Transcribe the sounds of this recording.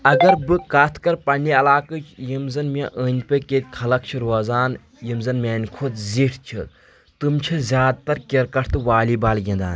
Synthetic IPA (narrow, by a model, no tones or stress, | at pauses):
ɐɡɐɾbɨkɐt̪ʰkɐɾpɐnːiɐlaːkɨt͡ʃʰjimzɐnmʲɐ̃ʔəːnʲpeket̪ʲkʰɐlɐk̚t͡ʃʰiɾoːzaːn | jimzɐnmʲeːnʲkʰot̪ziʈʰt͡ʃʰi | t̪ɨmt͡ʃʰizʲjaːd̪̚t̪ɐɾkʲeɾkɐʈʰt̪ɨʋaːliːbaːlɡʲĩnd̪a̰ːnʲ